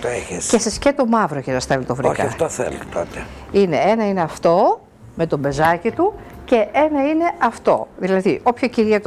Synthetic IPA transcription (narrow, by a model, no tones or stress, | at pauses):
t̪oeçescesɐscet̪o̞mɐvɾocesɐsθelot̪ovɾḭkɐɐft̪oθḛlot̪o̰t̪eineenɐineɐft̪o̞ | me̞t̪o̞be̞zɐcit̪uce̞enɐine̞ʔɐft̪o̞̰ðilɐðiʔo̞pçociɾiɐt̪